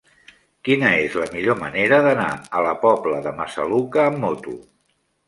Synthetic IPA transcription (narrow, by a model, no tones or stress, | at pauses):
kinəezləmiʎoməneɾəðəna̰ələpɔbləðəməsə̰lukəːmːot̪ṵ